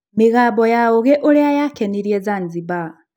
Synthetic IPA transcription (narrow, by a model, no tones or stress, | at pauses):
meɣaːbɔjaoɣeʔoɾeajakɛniɾiɛzanziba